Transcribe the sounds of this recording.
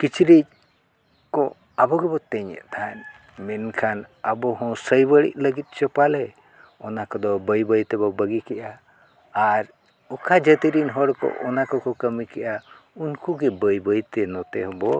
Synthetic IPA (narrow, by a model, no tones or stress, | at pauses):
kit͡ʃɾit͡ʃ̚ | kɔ | abɔɡɛbɔt̪ɛɲɛ̰ʔt̪ʰan | mɛnkʰanəbɔɦɔ̃səjbəɽḭʔ̚ləɡit̪̚ˀt͡ʃɔpalɛ | ɔnakɔd̪ɔbəjbəjt̪ɛbɔbəɡikɛʔaː | ɾ | ɔkʰad͡ʒət̪iɾinɦɔɽkɔ̰ʔɔnakɔkɔkəmikɛʔa | unkuɡɛbəjbəjt̪ɛnɔt̪ɛ̰ɦɔbɔ